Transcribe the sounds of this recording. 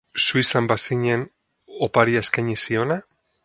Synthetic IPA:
suisambasiɲen | opaɾiaeskajɲisio̞na

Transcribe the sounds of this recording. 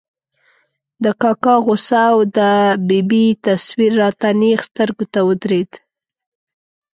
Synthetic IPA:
d̪əkɑkɑɣosawd̪əbibit̪aswiɾːɑt̪anexst̪əɾɡot̪awəd̪ɾed̪

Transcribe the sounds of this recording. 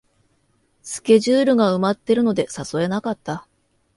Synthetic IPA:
sɨ̥kʲe̞ʑɨːɾɯ̟ɡaɯ̟mat̪ːe̞ɾɯ̟no̞d̪e̞saso̞e̞nakat̪ːa

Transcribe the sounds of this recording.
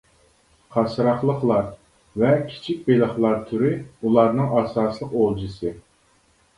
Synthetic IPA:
qʰɑsɨɾɑχlˠəχlˠɑɾ | vɛkʲʰi̥t͡ʃʰik̚ʲbelˠəχlˠɑɾt̪ʰyɾɪulˠɑɾnɨŋʔɑːsɑːslˠəqolˠd͡ʒɨsɨ

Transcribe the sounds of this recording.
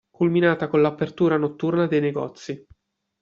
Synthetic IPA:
kulminaːt̪akonlapːert̪uːɾanot̪ːurnad̪ejneɡɔ̰t̪sːi

